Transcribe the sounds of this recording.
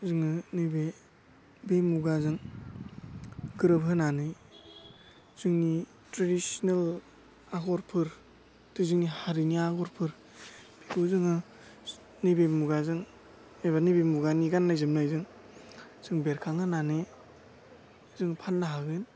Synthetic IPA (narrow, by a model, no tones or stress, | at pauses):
zɯŋɯnɯbe | bemuɡazɯŋ | ɡɯɾɯpɦɯnanɯ | z̥ɯŋni | tɾadisɔnel | aɡɔɾpʰɯɾ | tɯzɯŋnihaɾiniaɡɔɾpʰɯɾ | b̥ekuzɯŋɯ | nibemuɡazɯŋ | eβanibemuɡaniɡanːajzɯmnajzɯŋ | z̥ɯŋbeɾkʰaŋɦɯnanɯj | zɯŋpʰanːaɦaɡɯn